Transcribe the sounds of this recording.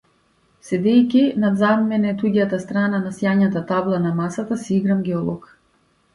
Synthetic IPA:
sɛd̪ɛjkʲinad̪zamːɛnɛt̪uɟat̪ast̪ɾananasjaɲat̪at̪ablˠanamasat̪asiiɡɾamɡʲɛɔlˠɔk

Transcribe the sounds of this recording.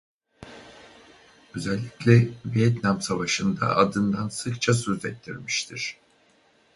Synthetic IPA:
ø̞zɛlʲːiclʲɛvijɛt̪namsavaʃɯnd̪a̰ʔad̪ɯnd̪ansɯkt͡ʃʰasøzɛtt̪ʰːiɾmiʃt̪ʰiɾ̝̥

